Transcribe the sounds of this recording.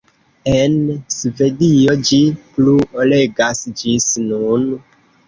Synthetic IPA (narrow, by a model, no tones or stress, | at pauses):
ensvedijod͡ʒipluoleɡasd͡ʒisnun